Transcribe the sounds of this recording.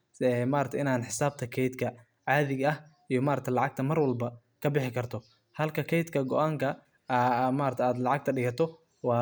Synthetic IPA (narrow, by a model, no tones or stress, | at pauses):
ɛmaːɾɐk̚t̪ʰɪnaːnħɪsaːb̚t̪ʰɐkʰɛjd̪kʰɐ | ʕɑːðɪɣɐhʔijɞmaːɾkt̪ʰɐlɑʕɑɡ̚t̪ʰɐmɐrwɐlbɐ | kʰɐbɪħɪkʰɐrt̪ʰɔ | hɐlkʰɐkʰɛjt̪kʰɐɡɔ̰ʔaːŋkʰɐ | maːɾt̪ʰjaːd̪lɑʕɑɡ̚t̪ʰɐɖɪɣɐt̪ʰɔ | wɑː